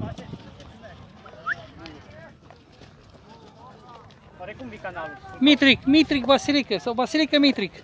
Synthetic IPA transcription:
mit̪ɾikmit̪ɾik̚basilikəsɐbasilikəmit̪ɾik

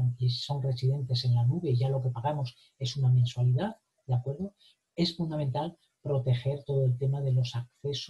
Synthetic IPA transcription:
ŋeso̞nre̞siðe̞nt̪e̞se̞nlanuβe̞iʝalo̞ke̞paɣamo̞s | e̞sunamẽ̞nswaliðað | d̪eakwe̞ɾðo̞ | e̞sfund̪ament̪al | pɾo̞t̪e̞xe̞ɾt̪o̞ð̞oe̞lt̪e̞maðe̞lo̞sakθe̞s

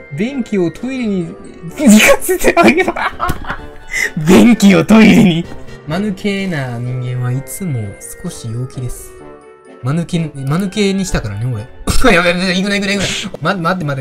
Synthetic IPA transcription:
bẽ̞ŋkʲio̞t̪ʰo̞iɾʲiɲ̟i | t͡sɨɾʲikaset̪ʰeaea | bẽ̞ŋkʲio̞t̪o̞iɾʲiɲ̟imanɯ̟kʰe̞naɲ̟ĩŋɡẽ̞ɰ̃βait͡sɨmo̞̰sɨ̥ko̞ɕijo̞ːkʲid̪e̞sɨ̥ | manɯkenmanɯ̟ke̞ɲ̟iɕi̥t̪akaɾaneoeojameɾd̪oiɡɯnaiɡɯɾaiɡɯnamamat̪̬ːemad̪

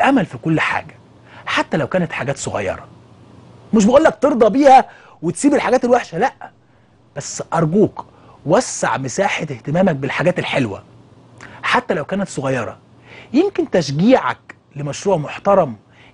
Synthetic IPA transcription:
ʔæmælfikolːħa̰ːɡæ | ħat̪ːælæwkæːnæt̪ħaɡæːt̪sˤoɣɑ̰jːɑ̰ɾˤɑ̰ | meʃbeʔuːlːæk̚t̪eɾd̪ˤɑbiːhæ | wet̪siːbelħaɡæːt̪elwæħʃælæʔ | b̥æsːʔɑɾˤɡuːk | wæsːa̰ʕmesaːħet̪eht̪emæːmæk̚belħaɡæːt̪elħelwæ̰ | ħat̪ːælæwkæːnæt̪soɣɑjːɑɾˤɑ̰ | jemkent̪æʃ̬ɡiːʕæ̰k | lemɑʃɾuːʕmoħt̪ɑɾˤɑm

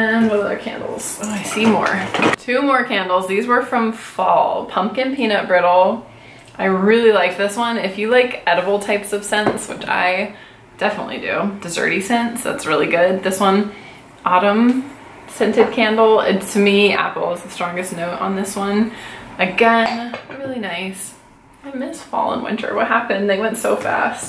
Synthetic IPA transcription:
ɨ̃nwʌðʌðə˞kʰæ̰̃ndˡl̩ˠz̥oʊaɪsimɔ̰ɹtʰʉmɔɹkʰæ̃ndˡl̩ˠzðizwə˞fɹʌ̃ɱfɔ̰lˠpʰʌ̃mkɨ̃npʰĩñʌp̚b̥ɹɪɾl̩ˠ | ʔaɪɹɪlˠilaɪk̚ðɪswʌ̃nɪfjɨlaɪkɛɾɨbl̩ˠtʰaɪpsʌv̥sɛ̃nswɨ̰t͡ʃa̰ɪ | d̥ɛfənə̰tˡlḭdɨ̰d̥ɨzɜ̰˞ɾisɛ̃nsðæ̰tsɹɪlˠiɡʊd̪̚ðɪswʌ̃n | ʔɑɾə̃m | sɛ̃ntɨd̥̚kʰæ̃ndl̩ˠɪ̰tstʰɨmiæ̰pl̩ˠəzðɨstɹ̥ɔ̃ŋɡɨsⁿnoʊɾn̩ðɪswʌ̃nɨɡɛ̃nɹɪlˠinaɪs | aɪmɪsfɔ̰lˠə̰̃nwɪ̰̃ntə̰˞wʌ̰t̚hæpɨ̃nðeɪwɛ̃ntsoʊfæ̰st̚

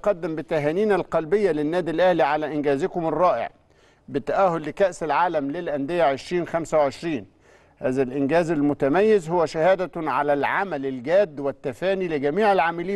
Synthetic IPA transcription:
qɑd̪ːɪmbɪt̪ːæɦæːniːnælqɑlbɪjːælɪnːæːd̪ilʔæhliʕalæʔɪnɡæːzɪkʊmɪrˤːɑːʔɪ̰ʕ | bɪt̪ːæʔæhʊlːɪkæʔsɪlʕaːlæmlelʔænd̪ɪjːæʕeʃɾiːnxæmsæwʕeʃɾiːn | hæːzælʔɪnɡæːzælmʊt̪æmæjːɪzhʊwːæʃæhæːd̪æʕalælʕamælɪlɡæːd̪ːwɪt̪ːæfæːniːlɪɡæmiːʕɪlʕamaliː

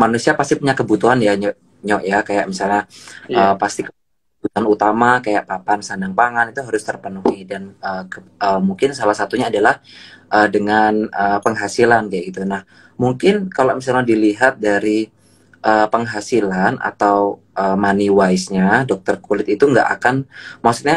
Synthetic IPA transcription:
manusiapast̪ipuɲakəbut̪uanjaɲɔ | ɲɔʔjakajaʔ̚misalɲaəpast̪ikə | əbut̪uanut̪amakajaʔpapansandaŋpaŋanit̪uɦaɾʊst̪ərpənuhidanəːəəmuŋkɪnsalahsat̪uɲaːdalahʔədəŋanəːpəŋɦasilankaaʔit̪unah | muŋkɪnkalamisalɲadiliɦat̪̚daɾi | ʔəːpəŋɦasilana̰t̪aw | ʔəːmaniwaisɲadɔk̚t̪ərkulɪt̪it̪uŋɡa̰ʔa̰kanmasu̥t̪̚ɲa

